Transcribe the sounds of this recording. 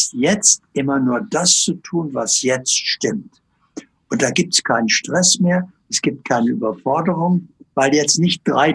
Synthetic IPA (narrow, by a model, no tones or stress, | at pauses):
stjɛt͡stʔɪmɐnuːɐdast͡sutʰuːnvasjɛt͡stʃtɪmt | ʔʊnt̚d̥aːɡiːp̚tɛ̥skʰaɪnənʃtʁ̥ɛsmeːɐʔɛsɡ̥iːp̚t̚kʰaɪnəʔy̰ːbɐfɔɐdəʁʊŋvaɪljɛt͡stnɪçt̚d̥ʁaɪ